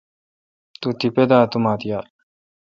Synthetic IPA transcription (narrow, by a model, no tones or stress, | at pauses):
t̪ut̪iped̪at̪umat̪ija